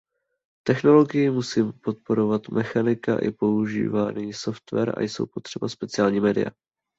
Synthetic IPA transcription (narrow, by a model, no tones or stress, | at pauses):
t̪ɛxno̞lo̞ɡɪjɪmusiːmpo̞t̪̚po̞ɾo̞vat̪mʔɛxanɪka̰ʔɪ̰po̞uʒḭːvaːniso̞ft̪vɛ̰ɾa̰jso̞̰wpo̞t̪r̥ɛbaspɛt͡sɪaːlɲiːmɛːdɪ̰ja̰